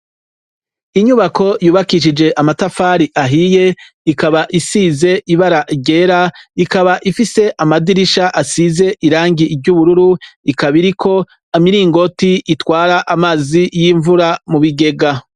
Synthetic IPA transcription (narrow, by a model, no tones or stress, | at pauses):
iɲuβako̞juːβakiʃ̬id͡ʒe̞ʔamatafaːɾiʔaɦije̞ | ikaβaʔisize̞ʔiβaɾaʔɟe̞ːɾaikaβaʔifise̞ʔamadiɾiʃaʔasize̞ʔiɾaːŋɡivɟuβuɾuɾuikaβiɾikʰo̞ | amiɾiːŋɡo̞tiʔitwaːɾaʔamaːzijiɱvuɾamuβiɡe̞ɡa